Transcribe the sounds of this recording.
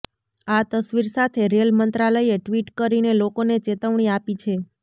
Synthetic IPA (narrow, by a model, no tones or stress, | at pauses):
at̪əsʋiɾsat̪ʰeɾelmənt̪ɾaləieʈʋiʈkəɾinelokonet͡ʃet̪əʋɳ̃iapit͡ʃʰe